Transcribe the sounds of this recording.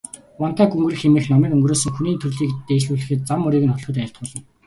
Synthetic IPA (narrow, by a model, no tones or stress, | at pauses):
wɔnt̪ʰaːɡuŋɡɘ̆rɘ̆xemɘ̆xnɔmiːkɵŋɡroːsɵ̆ŋxuniːnt̪ʰɵrɮiːk̚t̪eːt͡ɕɮuːɮɘ̆xɘ̆t̪̚t͡samːɵɾiːɣɘ̆nχɔt̪ɮɞ̆t̪̬æːɬʲt̪̚ɢʊːɮə̆n